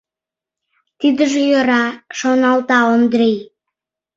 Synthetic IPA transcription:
t̪id̪əʒejoɾɑʃonɑlt̪ɑond̪ɾej

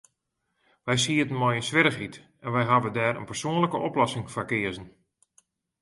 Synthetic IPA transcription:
ʋɛjsiətənmojəsʋɪɾəxit | ɛnʋɛjɦaʋədɛːɾə̰npərsoənləkəʔɔplɔsɪŋfakɪəzən

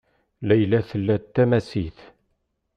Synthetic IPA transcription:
læjlæθəlːæt̪ːæmæsḭθ

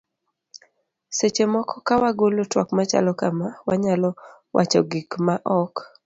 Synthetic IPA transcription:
set͡ʃemɔkɔkawaɡolotwakmat͡ʃa̰lɔkamawaɲalɔ | wʔa̰t͡ʃɔɡikmaʔɔk

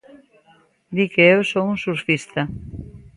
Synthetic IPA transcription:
d̪ikeewsoũnsuɾfist̪ɐ

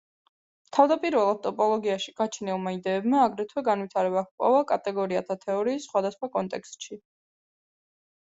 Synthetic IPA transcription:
t̪ʰavd̪apʼiɾvɛlˠat̪ʼɔpʼɔlˠɔɡiaʃiɡ̥at͡ʃʰnɛlˠmaid̪ɛːbmaːɡɾɛt̪ʰwɛɡanvit̪ʰaɾɛbakpʼɔ̰vakʼat̪ʼɛɡɔɾia̰t̪ʰat̪ʰɛɔɾiːsːχwad̪asχwakʼɔnt̪ʼɛkst̪ʼʃi

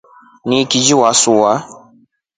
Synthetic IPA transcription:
nikid͡ʒiwasuwa

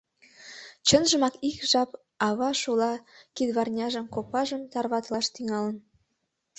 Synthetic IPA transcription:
t͡ɕə̆nʒə̆mɑkikʒɑp | ɑβɑʃulɑkid̪βɑrnʲɑʒə̆mkopɑʒə̆mt̪ɑrβɑt̪lɑʃt̪yŋɑlə̆n

